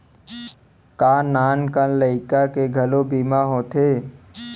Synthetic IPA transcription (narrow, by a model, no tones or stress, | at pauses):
kaːnaːnkənləɪkakeɡʱəlobiːmaɦoːt̪ʰeː